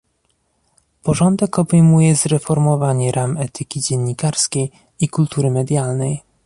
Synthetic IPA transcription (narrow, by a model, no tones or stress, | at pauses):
pɔʐɔnd̪ɛkɔbɛjmujɛzɾɛfɔɾmɔvaɲɛɾʔamɛt̪ɘkʲid͡ʑɛnːikaɾskʲej | ikult̪uɾɘmɛd̪ʲjalnɛj